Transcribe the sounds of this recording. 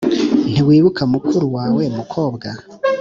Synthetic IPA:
n̥iwiːβukʰamukʰuɾuwaːwe̞mukʰo̞ːbɡa

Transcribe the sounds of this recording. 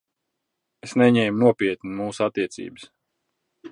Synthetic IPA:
esnɛɲɛjmnuɔpʲiɛt̪nimuːsat̪ːiɛt̪sʲḭːbɨs

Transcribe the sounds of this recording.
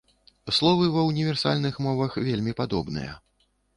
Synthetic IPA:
slˠɔvɨvɐwnʲivʲɛrsa̰lʲnɨxmɔvɐxvʲelʲmʲipad̪ɔbnɨ̰jɐ̰

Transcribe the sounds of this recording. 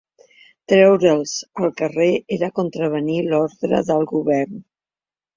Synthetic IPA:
t̪ɾɛwɾəlˠzəlˠkəreeɾəkunt̪ɾəβ̞ənilɔɾðɾə̰ðəlˠɣuβɛrn

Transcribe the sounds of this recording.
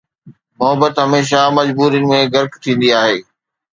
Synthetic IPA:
mʊɦəbət̪ɦɐmeːʃ̬amɐd͡ʑbuːɾijənɪ̆mẽɡɐɾkt̪ʰĩːn̆d̪iaːɦeː

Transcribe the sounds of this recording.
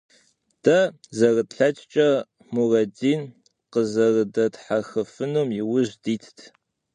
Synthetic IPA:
d̥ɐzɐrɨdɬɐt͡ʃʼt͡ʃʼɐ | murɐdiːn | qəzɐrɨdɐtħaxɨfɨnumjɪwʊʒdiːtʰtʰ

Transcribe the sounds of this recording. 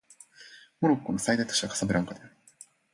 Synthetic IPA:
moɾokːonosajd̪ajt̪o̥ɕiβakasabɯɾãŋkad̪e

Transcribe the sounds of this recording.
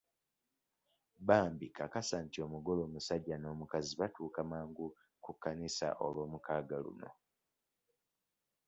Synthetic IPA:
baːmbikakasaːntio̞ːmuɡo̞lo̞ːmusaɟːano̞ːmukaziβatuːkamaːŋɡu | kukːanisa̰ʔo̞̰lwo̞ːmukaːɡalṵno̞̰

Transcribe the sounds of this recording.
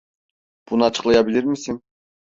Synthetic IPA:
b̥unɯɑt͡ʃʰɯ̥qlˠɑjɑbilʲiɾmisin

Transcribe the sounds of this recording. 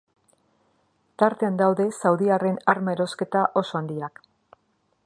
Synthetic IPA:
t̪aɾt̪e̞and̪awðe̞sawðiare̞naɾmae̞ɾo̞ske̞t̪aʔo̞so̞and̪iak

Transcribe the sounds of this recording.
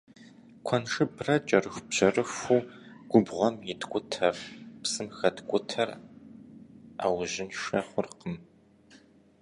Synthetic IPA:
kʷʰɐnʂɨbrɐt͡ʃʼɐrɨxʷbʑɐrɨxʷuːɡ̥ʷʊbʁʷɔmjɪtʰkʷʼʊtʰɐrpsɨmxɐdkʷʼʊtʰɐr | aːwʑɪnʃɐχʷʊrqəm

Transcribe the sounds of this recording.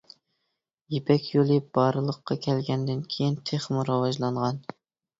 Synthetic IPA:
jepʰɛkʲjolˠɨbɑɾɨlˠəqːɑkʲʰɛlɡʲɛnd̪ɪnkʲʰejint̪ʰeχmuɾɑwɑʒlˠɑɴʁɑn

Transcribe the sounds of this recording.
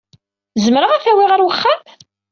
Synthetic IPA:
zəmɾəʁæθæwiʁəɾwəχːam

